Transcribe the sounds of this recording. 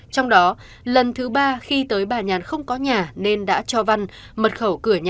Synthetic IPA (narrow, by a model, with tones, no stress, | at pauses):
t͡ɕɔ˧wŋ͡mɗɔ˨˦ | lə˨˩nt̪ʰɨ˨˦ɓaː˧xi˧t̪əː˨˦jɓaː˨˩ɲaː˨˩nxə˧wŋ͡mkɔ˨˦ɲaː˨˩ne˧nɗa̰ː˧˥t͡ɕɔ˧va˧n | mə˨˩t̚xə˧˩wkɨ˧˩əɲa˨